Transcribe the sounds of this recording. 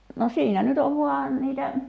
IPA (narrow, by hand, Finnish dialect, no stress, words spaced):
no siːnæ nyt oʋ ʋuɑˑ niːtæ